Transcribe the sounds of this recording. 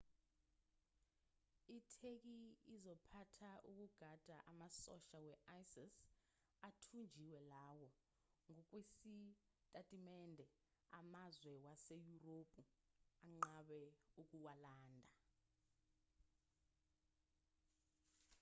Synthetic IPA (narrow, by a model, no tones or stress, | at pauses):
itʰek̬iizɔpʰatʰaʔuk̬ʼuɡ̥ʱad̥ʱaʔamasɔʃawɛʔajsis | atʰund͡ʒʱiwɛlawɔ | ŋɔk̬ʼwesi | tʼatʼimɛndʱɛ | amazwɛwasejuropʼuaŋ͡ǃaɓɛuk̬ʼuwalaːndʱa